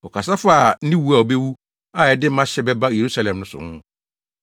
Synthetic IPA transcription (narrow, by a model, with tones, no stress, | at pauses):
ɔ˨kʰa˨s̬a˦faː˦˨˦nĩ˦wu˦a˨o˨be˦wu˦ | a˦˨ɛ˨dɪ˦m̩˦mã˦ɕɛ˦bɛ˦ba˦˨je˨ɾu˦sa˦lɛ̃˨mnʊ̃˦sʊ̰˨hʊ̃˦ʊ̃˦